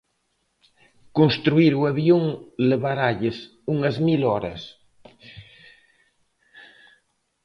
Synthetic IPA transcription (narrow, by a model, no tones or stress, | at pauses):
konst̪ɾuiɾuaβjoŋleβaɾaʎes | uŋɐzmilɔɾɐ̰s